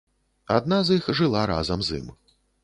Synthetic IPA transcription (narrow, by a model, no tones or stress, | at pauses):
ad̪̚nazixʐɨlˠaɾa̰zɐmzḭm